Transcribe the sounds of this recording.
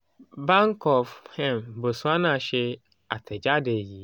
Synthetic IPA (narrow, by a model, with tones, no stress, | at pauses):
ba˦ŋkʰɔ˨fhɛ̃˦mbo˨su˦a˦nã˨ɕɛ˦ | a̰˨tʰɛ˨d͡ʑa˦de˨ji˨